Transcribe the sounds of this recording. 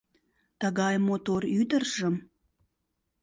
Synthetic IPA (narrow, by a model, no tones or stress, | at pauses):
t̪əɣɑjmot̪oɾyd̪ərʒəm